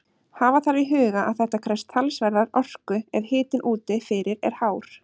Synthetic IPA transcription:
haːvaθaɾviɦʏːɣaʔa̰ðθɛht̪akʰɾɛst̪ʰalsvɛɾðaɾɔr̥kʏɛðhɪːt̪ɪnʔuːt̪ɪfɪɾɪɾɛ̰ɾ̥haːwɾ̥

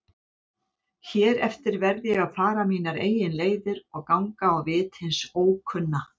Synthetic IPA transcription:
çɛːɾɛft̪ɪɾvɛɾðɪjɛɣaðfaːɾamiːnaɾḛːjɪnleːjðɪɾɔɣkawŋkaːwvɪːt̪hɪnsoːwkʰʏnːa

